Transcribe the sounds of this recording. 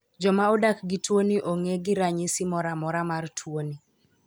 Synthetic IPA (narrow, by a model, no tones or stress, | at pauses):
d͡ʒɔmaɔdakɡɪtwoniʔoŋeɡɪɾaɲɪsɪmɔɾamɔɾamartʰwoni